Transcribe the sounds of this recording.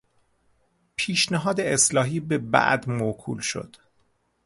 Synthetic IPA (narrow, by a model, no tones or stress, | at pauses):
pʰiːʃnæɦɒːd̪eeslɒːɦiːbebæ̰ʔd̪mokʰṵːlʃo̰d̪̥